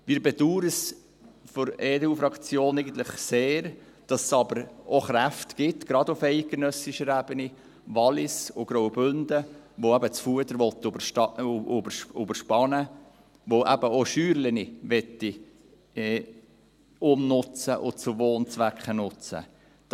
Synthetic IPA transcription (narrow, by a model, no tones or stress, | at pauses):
miːɾbɛduːɾəs | fɔɾɛːduːfɾɑkt͡sjoːnɛɪɡən̩t̪ləχseːɾ | d̥ɑssɑbəɾoχɾæftɡ̥ɪt̪ɡ̥ɾɑd̪ʊfɛɪt̚ɡenœsiʃəɾæb̥əni | ʋɑlɪsʊɡ̥ɾoʊbønd̪ə | ʋoæbət͡sfuəd̪əɾʋɔt̪ːbəʃtɑʊbɾʊbəɾʃpɑnə | ʋoʔæbəoʃyːɾləniʋɛt̪ːi | ʊmnʊt͡səʔʊt͡sʊʋoːnt͡sʋækχənʊt͡sə̰ | d